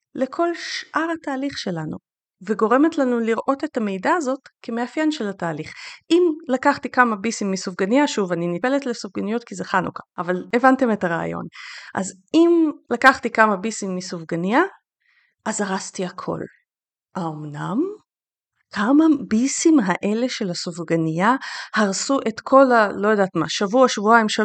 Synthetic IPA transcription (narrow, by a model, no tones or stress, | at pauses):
le̞kʰo̞lʃʔaʁataːliχʃe̞lanṵ | veɡo̞ʁe̞metlanuliʁʔo̞te̞tame̞jdaːzo̞tkʰemeafjenʃelataːliχʔimlakaχtikamabisimːisuvɡanijaʃuvaninipe̞letle̞suvɡanijotkizeχanṵkḁʔavale̞vante̞me̞taʁa̰a̰jo̞̰nʔa̰z | imlakaχt̪ikamabisimːisovɡanija | ʔazaʁaztiakʰo̞̰l | ʔaomnam | kʰamabisimɦaʔe̞le̞ʃe̞lasovɡanijahaʁsuʔe̞tkʰo̞lalo̞jodatma̰ʃavuaʃvuaimʃa